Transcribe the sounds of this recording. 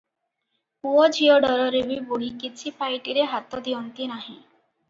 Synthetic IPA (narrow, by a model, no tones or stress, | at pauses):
puɔd͡ʒʱiɔɖɔɾɔɾebibuɽikit͡ʃʰipajʈiɾeɦat̪ɔd̪iɔnt̪inaɦĩ